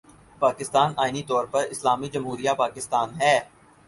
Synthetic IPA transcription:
paːkɪst̪aːnaːɪnit̪ɔːɾpɐɾɪslaːmid͡ʒɐmɦuːɾijapaːkɪst̪aːnɦɛː

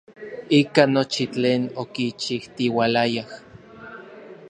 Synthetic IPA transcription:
ikanot͡ʃit͡ɬeːnokit͡ʃiht̪iwalajah

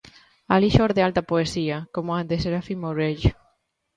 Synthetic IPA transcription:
aliʃɔɾðealt̪apoesiakomoad̪eseɾafimoɾeʎ

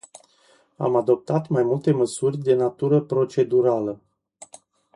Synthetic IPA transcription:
a̰mad̪o̞p̚t̪at̪majmult̪e̞məsurʲd̪e̞nat̪uɾəpɾo̞t͡ʃe̞d̪uɾalə

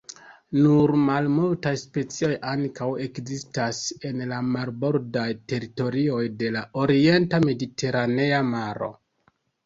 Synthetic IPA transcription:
nuɾmalmultajspe̞t͡sio̞jʔaŋkawe̞kzistase̞nlamalbo̞ɾdajte̞ɾito̞ɾio̞jde̞lao̞ɾie̞ntame̞dite̞ɾane̞amaɾo̞̰

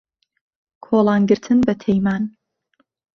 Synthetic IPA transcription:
kʰoːlˠɑːnɡɨɾt̪ʰɨnbɐtʰejmaːn

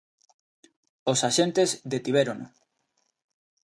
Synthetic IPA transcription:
osaʃent̪ezðet̪iβeɾono

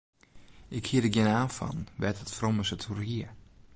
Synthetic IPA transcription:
ʔɪkhiədəɡjɪnaːfɔ̰nʋɛtətfroməsətʰurhiə

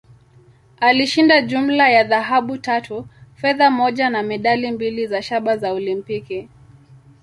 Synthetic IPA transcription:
aliʃindaʄum̩lajaðaɦaɓutatʰufɛðamɔʄanamɛɗalimbilizaʃaɓazaɔlimpiki

